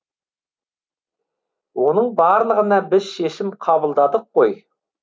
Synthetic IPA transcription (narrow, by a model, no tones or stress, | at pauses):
wonəɴbɑɾlˠəʁənɑbɪz̥ʃeʃɪmqʰɑbəlˠd̪ɑd̪əqːoj